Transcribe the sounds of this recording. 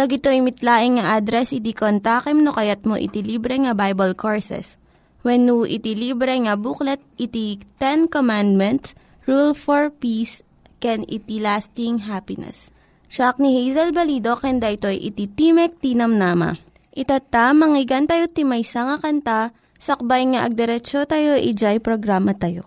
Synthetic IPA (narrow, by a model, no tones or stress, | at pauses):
lɐɡɪt̪oʔɪjmɪt̪laːʔɪŋŋɐʔad̪ɾɛsɪt̪̬ikont̪aːkɛmnokɐjat̪̚mo̰ʔḭt̪iliːbɾɛŋɐbajbɐlkʰoɹsɛ̰s | wɛnːuʔḭt̪iliːbɾɛŋɐbuklɛt̪̚ʔɪt̪it̪ɛnkomand̪̚mɛnt̪s | ɹulfoɹpiːs | kɛnɪ̰t̪ilast̪ɪŋɦapɪnɛ̰s | ʃak̚nihejzɐlbɐliːd̪okɛnd̪aʔɪt̪o̞jʔɪ̰t̪it̪imɛk̚t̪inɐmnaːmɐ̰ | ʔɪt̪at̪amɐŋɪɡɐnt̪ɐjot̪ɪmɐjsɐŋɐkɐnt̪a | sɐk̚bajŋaʔɐɡ̚d̪ɛɾɛt͡ʃot̪ajo̞ʔɪd͡ʒajpɾoɡɾamɐt̪ɐjo̰